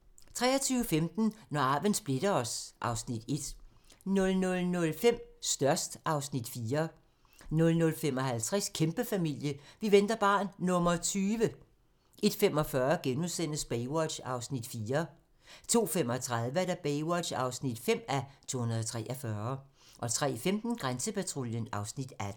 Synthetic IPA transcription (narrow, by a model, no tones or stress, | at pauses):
t͡sʰʁɛ̰ːɐt͡sʰyːʊəfemd̥n̩nɒɑ̈ːʋənsb̥le̝d̥ɐɒ̽sʔɑ̈ʊsnid̥e̝d̥ | nɔ̽lnɔ̽lnɔ̽lfem̰sd̥ɶɐsd̥ʔɑ̈ʊsnid̥fiːɐ | nɔ̽lnɔ̽lfem̰ɒ̽ɦælt͡sʰʁɛskʰemb̥əfæmil̰jəʋiʋend̥ɐb̥ɑ̈ːnːɔ̽mɐt͡sʰyːʋə | e̝d̥fem̰ɒ̽fɶːɐɡ̥enuðsen̰əsb̥eɪwɒ̥ɕɑ̈ʊsnid̥fiːɐ | t͡sʰo̝̰ːfem̰ɒ̽t͡sʰʁað̞ˠʋəæɾ̥æb̥eɪwɒ̥ɕɑ̈ʊsnid̥fem̰æt͡sʰo̝̰ːhunɐðˠt͡sʰʁɛ̰ːʔɐfɶːɐ | ʔɒ̽t͡sʰʁɛ̰ːfemd̥n̩ɡ̥ʁansəpʰæt͡sʰʁoljənɑ̈ʊsnid̥æd̥n̩